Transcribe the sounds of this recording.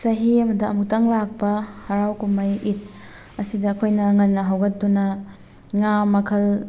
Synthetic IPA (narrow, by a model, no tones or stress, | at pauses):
sɐɦiɐmɐdiɐmuk̚tɐŋlak̚pɐhɐɾawkumɐjit̚ | ɐsidɐːkʰojnɐŋɐnːɐɦɐwɡɐt̚dunɐ | ŋamɐkʰɐl